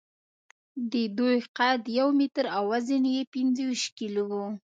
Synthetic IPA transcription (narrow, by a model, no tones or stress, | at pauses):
d̪əd̪ojqad̪jawmit̪ɾawazinjepinzəwiʃkilowu